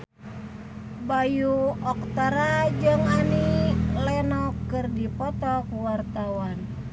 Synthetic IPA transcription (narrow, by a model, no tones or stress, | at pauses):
bajuɔkt̪aɾad͡ʒɨŋanilɛnɔkːɨrdipɔt̪ɔk̚wart̪awan